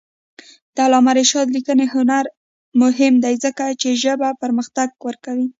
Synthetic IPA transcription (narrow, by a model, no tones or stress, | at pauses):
d̪̥əalɑmaɾeʃɑd̪likənehʊnaɾ | mʊɦɪmd̪ajzəkat͡ʃeʒəbapəɾməxt̪aɡ̚wəɾkawi